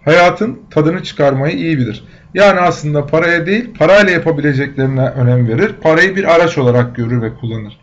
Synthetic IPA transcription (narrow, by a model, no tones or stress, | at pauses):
hajaːt̪ʰɯnt̪ʰad̪ɯnɯt͡ʃʰɯ̥kʰaɾmajɯʔijibilʲiɾ̥ | jaːniaslˠɯnd̪apʰaɾajad̪e̞jilʲpʰaɾajlʲˠajapʰabilʲe̞d͡ʒɛclʲe̞ɾinɛʔø̞nɛmve̞ɾiɾpʰaɾajɯbiɾaɾat͡ʃo̞lˠaɾak̚ɟø̞ɾyɾvɛkʰulˠːanɯɾ̥